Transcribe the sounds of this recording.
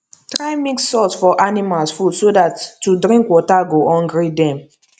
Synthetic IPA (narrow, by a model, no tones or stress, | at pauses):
tɾaɪmiksːɔsfɔʔanimalsfudsodatːudɾĩŋkwɔtaɡoʔɔ̃nɡɹidɛ̃m